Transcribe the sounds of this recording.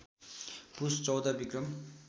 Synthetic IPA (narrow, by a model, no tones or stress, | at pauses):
pust͡sʌwd̪ʌbikrʌm